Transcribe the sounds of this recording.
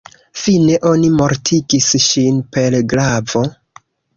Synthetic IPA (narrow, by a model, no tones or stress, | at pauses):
fine̞ʔo̞nimo̞ɾtʰiɡisʃinpe̞lɡɾavo̞